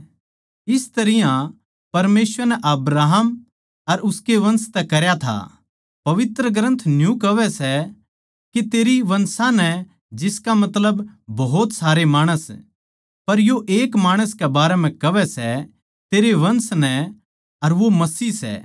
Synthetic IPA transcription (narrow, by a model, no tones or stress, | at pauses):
ɪst̪ɐɾɪjã | pɐɾmeːsʋəɾnɛʔɐbɾaːɦəm | ɐɾʊskeʋɐ̃nst̪ɛkɐɾjat̪ʰa̰ | pɐʋɪt̪ɾəɡɾɐ̃nt̪ʰnjũkɐʋɛsɛ | kit̪eːɾiʋɐ̃nsãnɛ | d͡ʒɪskamɐt̪ləbbɐɦʊt̪saːɾemaːɽ̃əs | pɐɾjoʔeːkmaːɽ̃əskɛbaːɾɛm̤ɛ̃kɐʋɛsɛ | t̪eːɾeʋɐ̃nsnɛ | ɐɾʋomɐsiːsɛ̰